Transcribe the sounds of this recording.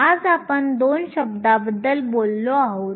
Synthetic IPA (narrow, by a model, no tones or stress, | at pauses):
ad͡zapəɳd̪onɕəb̚d̪abəd̪ːəlbolːoaɦo